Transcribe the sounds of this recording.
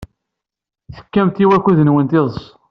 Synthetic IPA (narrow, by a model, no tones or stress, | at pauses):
θə̥kːæmt̪iwækːuðənwənt̪ɪðˤs